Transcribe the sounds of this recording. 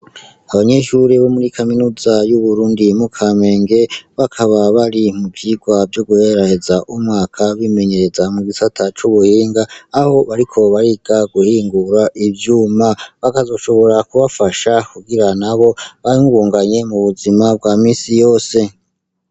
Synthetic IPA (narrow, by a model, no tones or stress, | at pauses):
aβaɲe̞ʃuɾeβo̞muɾikʰaminuzajuβuɾuːndimukʰame̞ːŋɡe̞βakʰaβaβaɾimubjiɡwavjo̞ɡuhe̞ɾahe̞zaʔumŋaːkʰaβime̞ɲe̞ɾe̞zamuɡisatʰat͡ʃuβuhiːŋɡaːho̞βaɾikʰo̞βaɾiɡ̥aɡuhiːŋɡuɾaʔibjuːmaβakazo̞ʃo̞βo̞ɾakuβafaʃakuɡiɾanaβo̞βaiɡuːŋɡaɲe̞muβuzimab̚ɡwaːmiːsijo̞ːse̞